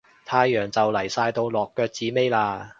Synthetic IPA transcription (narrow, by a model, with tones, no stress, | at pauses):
t̪ʰaː˧jːœː˨˩ŋt͡sɐ˨wlɐ˨˩jsaː˧jt̪o˧wlɔː˨kːœː˧k̚t͡siː˨˥me˥jlaː˧